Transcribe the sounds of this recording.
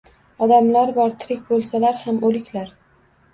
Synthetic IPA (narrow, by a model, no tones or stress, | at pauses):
ɒd̪amlaɾbɒɾt̪ʰɪɾɪk̚ʲbolˠsalaɾhamolɪkʲlaɾ